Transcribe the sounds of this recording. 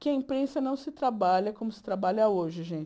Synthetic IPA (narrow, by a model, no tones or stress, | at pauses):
kɪɐĩpɾẽsɐnɐ̃w̃sɪt̪ɾabaʎɐkõmʊsɪ̥t̪ɾabaʎɐoʒɪʒẽt͡ʃ